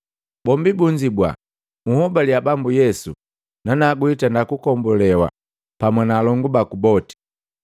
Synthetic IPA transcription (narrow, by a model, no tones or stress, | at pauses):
bɔmbibuɲd͡ʒibwa̰ | muhɔbaliabambujɛsu | nanaɡuitandakukɔmbɔlɛwa̰ | pamwanaːlɔŋɡubakubɔti̥